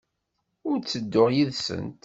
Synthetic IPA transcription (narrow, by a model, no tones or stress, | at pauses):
ʊɾt͡sːəd̪ːʊʁjiðsə̰nt̪